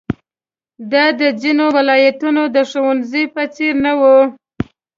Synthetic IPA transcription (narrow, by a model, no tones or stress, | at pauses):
d̪ɑd̪əzinowɪlɑjat̪unod̪əʂowanzəjpət͡seɾnawu